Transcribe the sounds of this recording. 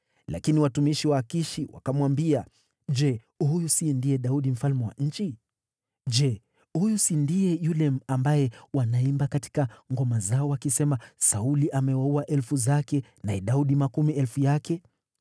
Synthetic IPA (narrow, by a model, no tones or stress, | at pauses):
lʔa̰kiniwatumiʃiwaːkiʃiwa̰kamwambia | d͡ʒɛ | hujusindijɛɗauɗim̩falmɛwa̰ɲ̩t͡ʃi | d͡ʒɛ | hujusindijɛjulɛm̩ambajɛwanaimbakati̥kaŋɡɔmazaɔwakisɛmasauliʔamɛwauaʔɛlfuzakɛnaɛɗauɗimakumiɛlfujakɛ